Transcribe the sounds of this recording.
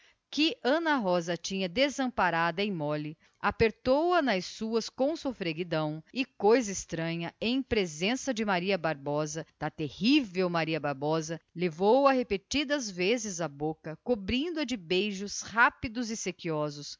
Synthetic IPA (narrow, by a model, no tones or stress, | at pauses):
kɪʔɐ̃nɐɦɔzɐt͡ʃĩɲɐd̪ezɐ̃mpaɾad̪ɐẽj̃mɔlɪ | apeɾt̪owɐnɐjssuɐskõw̃sofɾeɡid̪ɐ̃w̃ɪkojzɐɪst̪ɾɐ̃ɲɐẽj̃pɾezẽsɐd͡ʒɪmaɾiɐbaɾbɔzɐd̪̥ɐt̪ehivewmaɾiɐbaɾbɔzɐlevowɐhepet͡ʃid̪ɐzvezɪzɐbokɐkobɾĩnd̪ʊɐd͡ʒɪbejʒʊshapid̪ʊzɪsekiɔzʊs